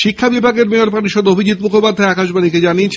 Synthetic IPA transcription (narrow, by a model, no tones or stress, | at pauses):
ʃikʰːabibʱaɡeɾmeoɾpaniʃod̪obʱid͡ʑit̪mukʰopad̪ʱːaeakaʃbaniked͡ʑaniet͡ɕʰ